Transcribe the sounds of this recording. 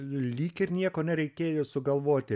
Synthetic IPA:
lʲiːkɪɾnʲiɛkoːnʲɛɾʲɛɪkʲeːjoːsʊɡɐlˠʋoːt̪ʲɪ

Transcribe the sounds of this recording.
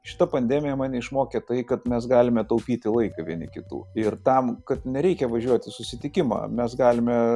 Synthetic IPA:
ʃʲɪ̥t̪ɐpɐnʲd̪ʲæmʲɪjɛmɑːnʲɪɪʃmoːkʲɛt̪ɐɪkɐt̪mʲɛsɡɑːlʲɪmʲɛt̪ɐʊpʲiːt̪ʲɪlˠɐɪkɐʋʲiɛnʲɪ̰kʲɪt̪ṵːɪrt̪ɐmkɐt̪nʲɛɾʲɛɪkʲɛʋɐʒʲuɔt̪ʲɪsʊsʲɪt̪ʲɪkʲɪmɑ̰ːmʲɛsɡɑːlʲɪmʲɛ

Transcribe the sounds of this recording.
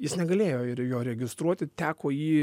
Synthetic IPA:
jɪsnʲɛɡɐlʲeːjoːɪɾjoːɾʲɛɡʲɪst̪ɾuɔt̪ʲɪt̪ʲæːkoːjiː

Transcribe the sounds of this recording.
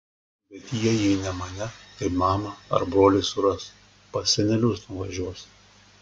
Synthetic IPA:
bʲɛt̪jiɛjɛɪnʲɛmɐnʲɛkɐɪpmɑːmɐɐ̰ɾbɾoːlʲɛɪsʊɾɐs | pɐɛnʲɛlʲʊsnʊʋɐʒʲuɔs

